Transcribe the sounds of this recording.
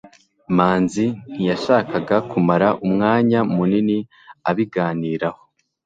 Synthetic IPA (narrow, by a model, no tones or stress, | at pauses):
maːnzin̥ijaʃaːkaɡakumaɾaʔumŋaːɲamunini | aβiɡaːniːɾaho